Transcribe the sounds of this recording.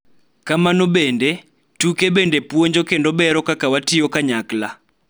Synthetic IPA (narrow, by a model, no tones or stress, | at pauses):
kamanobende | tukebendepwoɲd͡ʒokendɔbɛɾɔkakawatɪjokaɲakla